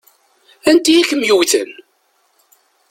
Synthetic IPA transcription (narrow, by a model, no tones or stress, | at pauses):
ænd̪iækːəmjuwθə̰n